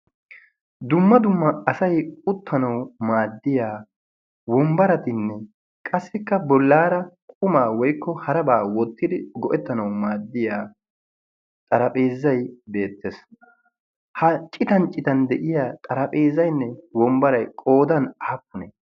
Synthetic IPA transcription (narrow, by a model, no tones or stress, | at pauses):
d̪ʊmːɐd̪ʊmːɐɐsɐjʊt̪ːɐnɐwmaːd̪ːɪjaː | wɔmbɐɾɐt̪ɪnːɛ | kʼɐsːɪkːɐbɔlːaːɾɐkʼʊmaːwɔjkːɔhɐɾɐbaːwɔt̪ːɪd̪ɪɡɔʔɛt̪ːɐnɐwmaːd̪ːɪjaː | t̪ʼɐɾɐpʼeːzːɐjbe̞ːt̪ːes | hɐt͡ʃʼɪt̪ɐnt͡ʃʼɪt̪ɐnd̪ɛʔɪjaːt̪ʼɐɾɐpʼeːzːɐjnːɛwɔmbɐɾɐjkʼo̞ːd̪ɐnɐhɐpːʊnɛ̰